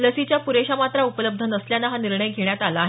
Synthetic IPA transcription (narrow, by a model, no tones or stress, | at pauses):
ləsit͡ɕjapuɾeɕamat̪ɾaupələb̚d̪ʱənəsljanːaɦaniɾɳəjɡʱeɳjat̪alaːɦ